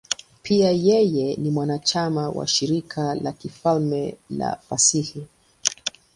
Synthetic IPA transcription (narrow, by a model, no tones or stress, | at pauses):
pʰiajɛjɛnimwanat͡ʃamawa̰ʃiɾikʰala̰kifalmɛla̰fasihi